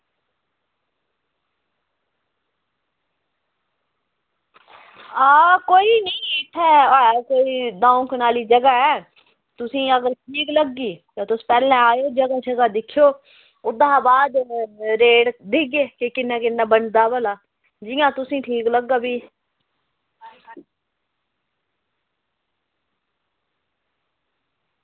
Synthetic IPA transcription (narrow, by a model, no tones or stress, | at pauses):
aːkoːiːnəĩːɪʈʰːɛːkoːiːd̪ãːõːknaːliːd͡ʒəɡaːɛː | t̪ʊsĩːəɡəɾʈʰiːkləɡːiːt̪ãːt̪ʊspɛːlɛ̃ːaːjoːd͡ʒəɡaːt͡ʃəɡaːd̪ɪkʰːjoː | ʊd̪aːbaːd̪ɾeːɽd̪ɪɡeːkekɪnːãːkɪnːãːbənd̪aːbəlaː | d͡ʒiːjãːt̪ʊsĩːʈʰiːkləɡːaːbiː